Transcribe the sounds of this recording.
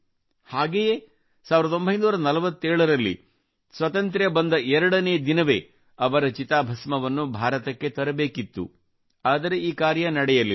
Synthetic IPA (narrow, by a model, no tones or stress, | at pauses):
haːɡejeː | saːʋiɾd̪o̞mbʱɐɦjnuːɾɐnɐlɐʋɐt̪ːeːɭɐɾɐlːḭ | sʋɐt̪ɐnt̪ɾjɐbɐnd̪ɐʔɛɾɐɽɐneːd̪inɐʋe̞̰ː | ɐʋɐɾɐt͡ʃit̪aːbʱɐsmɐʋɐnːubʱaːɾɐt̪ɐkːe̞t̪ɐɾɐbeːkit̪ːṵ | aːd̪ɐɾe̞iːkaːɾjɐnɐɽɛjɐli